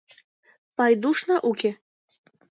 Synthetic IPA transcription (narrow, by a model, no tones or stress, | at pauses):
pɑjd̪uʃnɑʔuke